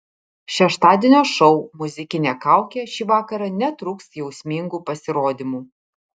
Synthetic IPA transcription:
ʃʲɛʃt̪ɑːd̪ʲeːnʲoːʃɔʊmʊzʲɪkʲɪnʲeːkɑˑʊkʲeːʃʲiːʋɑːkɐɾɐnʲɛt̪ɾʊːksjɛʊsʲmʲɪŋɡuːpɐsʲɪɾoːd̪ʲimuː

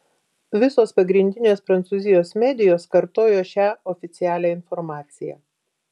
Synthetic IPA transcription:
ʋʲɪsoːspɐɡɾʲɪnʲd̪ʲɪnʲoːspɾɐnt̪suːzʲɪjoːsmʲæːd̪ʲɪjoːskɐɾt̪oːjoːʃʲæːɔfʲɪt̪sʲɪjæːlʲæːɪnfɔɾmɑːt̪sʲɪjæ̰ː

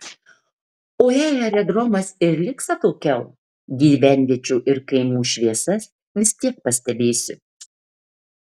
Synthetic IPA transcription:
oːeːjɛɾʲɛd̪ɾɔmɐsɪɾlʲɪksɐt̪oːkʲɛʊ | ɡʲiːʋʲæˑnʲʋʲiɛt͡ʃʲuːʔɪɾkɐɪmuːʃʲʋʲiɛsɐs | ʋʲɪsʲt̪ʲiɛk̚pɐsʲt̪ʲɛbʲeːsʲʊ

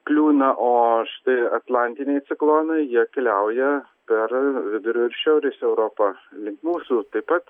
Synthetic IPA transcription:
klʲuːnɐʔoːʃʲɪ̥t̪ɐɪɐt̪lˠɑnʲt̪ʲɪnʲɛɪt̪sʲɪklˠoːnɐɪjiɛkʲɛlʲɛʊjɛ | pʲɛɾʋʲɪd̪ʊɾʲoːɪɾʃʲɛʊɾʲesʲɛʊɾoːpɐlʲɪŋkmuːsuːt̪ɐɪpɐt̪

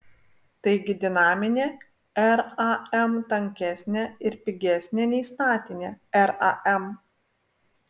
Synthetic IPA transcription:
t̪ɐɪɡʲɪd̪ʲɪnɑːmʲɪnʲeː | ɛɾɐɛmt̪ɐŋʲkʲæsʲnʲeɪɾpʲɪɡʲæˑsʲnʲenʲɛɪst̪ɑːt̪ʲɪnʲeːɛɾɐ̰ʔɛm

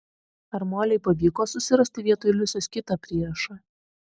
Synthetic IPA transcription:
ɐɾmoːlʲɛɪpɐʋʲiːkoːsʊsʲɪɾɐsʲt̪ʲɪʋʲiɛt̪ojlʲʊsʲoːskʲɪt̪ɐpʲɾʲiɛɾɐʃɑ

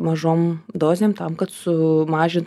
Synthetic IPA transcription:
mɐʒoːmd̪oːzʲeːmt̪ɐmkɐt̪sʊmɑːʒʲɪnt

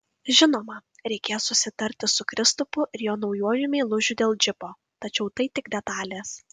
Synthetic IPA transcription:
ʒʲɪnoːmɐ | ɾʲɛɪkʲeːjssʊsʲɪt̪ɐɾʲt̪ʲɪsʊkɾʲɪst̪ʊpʊʔɪɾjoːnɒʊjuɔjʊmʲeːlˠʊʒʲʊd̪ʲeːlˠd͡ʒʲɪpoː | t̪ɐt͡ʃʲɛʊt̪ɐɪt̪ʲɪɡd̪ʲɛt̪ɑːlʲeːs

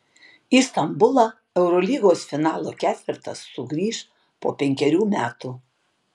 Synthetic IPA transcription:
iːst̪ɐmbʊlˠɑ | ɛʊɾɔlʲiːɡoːsfʲɪnɑːlˠoːkʲæːt̪ʲʋʲɪɾt̪ɐsːʊɡɾʲiːʃ | po̰ːpʲɛŋʲkʲɛɾʲuːmʲæːt̪uː

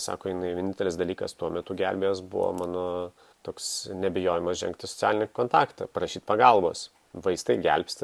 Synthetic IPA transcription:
sɑ̰ːkoːjɪnɐɪʋʲnʲɪnt̪ʲɛlʲɪsd̪ɐlʲiːkɐst̪uɔmʲɛt̪ʊɡʲælʲbʲejoːsbʊ̰ʋo̰mɑːnoː | t̪oːksnʲɛbʲɪjoːjɪmɐsʒʲɛ̰ŋkt̪ʲɪsɔ̥t͡sʲæːlʲɪnʲɛkoːnt̪ɑːkt̪ɐpɾɐʃʲiːt̪ʲpɐɡɐlˠbo̰ːs | ʋɐɪst̪ɐɪɡʲɛ̰lʲpʲst̪ʲ

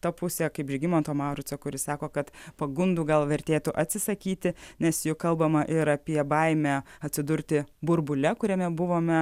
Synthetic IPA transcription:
t̪ɐpʊsʲɛːkɐɪpʒʲɡʲɪmoːnt̪oːmɑːɾʊt͡s̪ʲoːkʊɾʲɪsɑːkoːkɐt̪pɐɡʊnd̪uːɡɐlˠʋʲɛɾʲt̪ʲeːt̪ʊʔɐt̪ʲsʲɪsɐkʲiːt̪ʲɪnʲɛsjʊkɐlˠbɐmɐʔɪɾɐpʲiɛbɐɪmʲæːɐtʲsʲɪd̪ʊɾʲt̪ʲɪbʊɾbʊlʲɛkʊɾʲɛmʲɛbʊʋoːmʲɛ

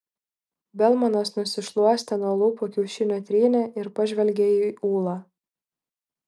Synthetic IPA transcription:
bʲɛlˠmɐnosnʊsʲɪʃlˠuɔsʲt̪ʲɛnuɔlˠuːpokʲɛʊʃʲɪnʲoːt̪ʲɾʲiːnʲɛʔɪɾpɐʒʲʋʲɛlʲɡʲeːiʔuːlˠɑː

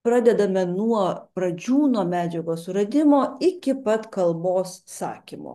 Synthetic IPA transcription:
pɾɑːd̪ʲɛd̪ɐmʲɛnuɔpɾɐd͡ʒʲuːnuːɔmʲæːd͡ʒʲɛɡoːsɾɐd̪ʲɪmoːɪkʲɪpɐt̪kɐlˠboːssɑ̰ːkʲimo̰ː

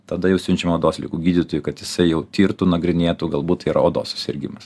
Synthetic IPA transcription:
t̪ɐd̪ɐjɛʊsʲʊnʲt͡ʃʲɛmoːd̪oːsʲlʲɪ̰kuːɡʲiːd̪ʲɪt̪oːjukɐt̪jɪsɐɪjɛʊt̪ʲiːɾt̪uːnɐɡɾʲɪnʲeːt̪uːɡɐlˠbuːt̪t̪ːɐiːɾɐoːd̪o̰ːssʊ̥sʲɪɾʲɡʲɪmɐs

